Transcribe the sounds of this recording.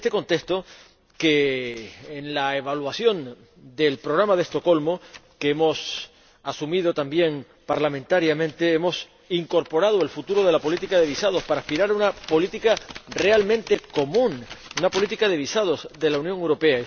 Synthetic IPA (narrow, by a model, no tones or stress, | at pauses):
est̪eko̞nt̪e̞kst̪o̞ | ke̞ː | nlae̞βalwasjo̞n | d̪e̞lpɾo̞ɣ̞ɾamað̞e̞st̪o̞ko̞lmo̞keemo̞s | asumið̞o̞t̪ambje̞ŋ | paɾlamẽ̞nt̪aɾjamẽnt̪e̞emo̞s | iŋko̞ɾpo̞ɾaðoe̞lfut̪uɾo̞ð̞e̞lapo̞lit̪ikaðe̞βisað̞o̞spaɾaːspiɾaɾaunapo̞lit̪ikare̞almẽnt̪e̞ko̞mũnunapolit̪ikaðe̞β̞isað̞o̞zðe̞launjoŋe̞wɾo̞pe̞a